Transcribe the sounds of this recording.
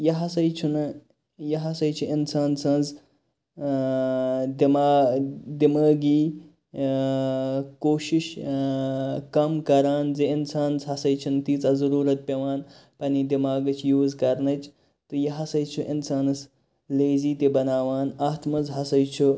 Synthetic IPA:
jɐɦɐsɐjt͡ʃʰunɨ | jɐɦɐsɐjt͡ʃʰuinsaːnsɐ̃nz | d̪imaːd̪imaːɡiː | koːʃiʃ | kɐmkɐɾaːnzeinsaːnshɐsɐjt͡ʃʰunt̪iːt͡sɐzɐɾuːɾɐt̪̚pʲɐʋaːn | pɐnid̪imaːɡɐt͡ʃʰjuːzkɐɾnɐt͡ʃʰ | t̪ɨjɐɦɐsɐjt͡ʃʰuʔinsaːnɐs | leːziːt̪ibɐnaːʋaːnaːt̪ʰmɐzɦɐsɐjt͡ʃʰu

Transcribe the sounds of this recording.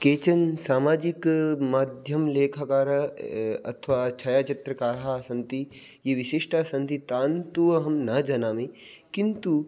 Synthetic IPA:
keːt͡ʃɐnsaːmaːd͡ʒɪkmaːd̪ʱjɐmleːkʰakaːɾɐɐ̰t̪ʰʋaːt͡ʃʰɐjaːt͡ʃɐt̪ɾɐkaːɾasɐ̃nt̪i | jeʋɪʃiʃʈaːsɐ̃nt̪it̪aːnt̪uɐɦɐmnɐd͡ʒɐnaːmi | kɪnt̪u

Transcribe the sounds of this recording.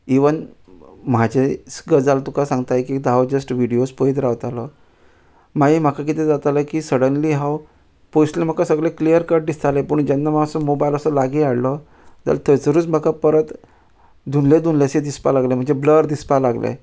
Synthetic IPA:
iʋən | mad͡ʑʱesɡəd͡zalt̪ukasãŋɡt̪ajkiːkd̪ʱaʋd͡ʑəsʈʋiɽijospəit̪ɾaʋt̪alɔ | maɦim̤akak̬it̪ɛd͡zat̪alakiːsəɽənliɦaw | poslem̤akasəɡɭeklijəɾkaɖd̪ist̪alepəɳd͡ʑanːamasɔmobajiləsɔlaɡiaɽlɔ | d͡za̰lt̪ət͡səɾuːt͡sm̤akapəɾət̪ | d̪unled̪unlesed̪ispalaɡlem̤əɳd͡zebləɾd̪ispalaɡlḛ

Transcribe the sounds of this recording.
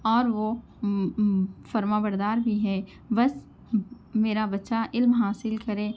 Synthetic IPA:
ɔːɾʋo | fɐɾmaːbəɾd̪aːɾbʱiɦɛː | bɐs | meːɾabɐtːʃaʔɪlmɦaːsɪlkɐɾẽː

